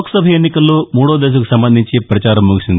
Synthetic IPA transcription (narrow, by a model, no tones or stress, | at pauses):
ksɐbʱɐjenːikɐlːoːmuːɽoːd̪eːs̬uku̥sɐmbɐnd̪ʱiɲt͡ʃepɾɐt͡ʃaːɾɐmːuɡusind̪i